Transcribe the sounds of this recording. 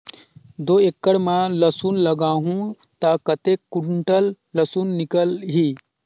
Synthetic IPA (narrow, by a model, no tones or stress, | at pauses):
d̪oːekːəɽmãlɐsuːnlɐɡaːɦũ | t̪akɐt̪ekːuɳʈəlː | ɐsuːnːɪkəlɦiː